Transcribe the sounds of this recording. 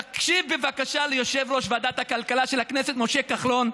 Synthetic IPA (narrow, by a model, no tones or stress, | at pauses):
akʃivbevakaʃalejo̞ʃevɾo̞ʃvaːd̪at̪hakalkalaʃelakneset̪mo̞ʃe̞kaχlo̞n